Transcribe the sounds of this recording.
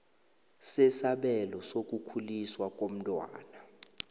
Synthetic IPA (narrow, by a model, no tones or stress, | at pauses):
sɛsaɓɛlɔsok̬ʼukʰuliswakʼom̩tʼwa̰ːna